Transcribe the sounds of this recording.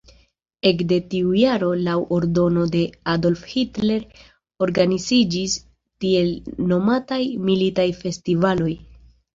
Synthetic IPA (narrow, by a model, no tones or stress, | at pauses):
e̞kde̞tiujaɾo̞lawʔoɾdo̞no̞de̞ado̞lfhitle̞ɾ | o̞ɾɡanizid͡ʒis | tie̞lno̞matajmilitajfe̞stivalo̞j